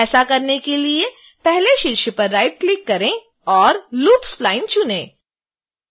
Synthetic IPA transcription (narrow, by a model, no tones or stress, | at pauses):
ɛːsakɐɾnekelie | pɛɦleʃɪɾʃəpɐɾːaːɪʈ̚klɪkːɐɾẽ | ɔːɾluːpsflaːɪ̃nt͡ʃʊnẽː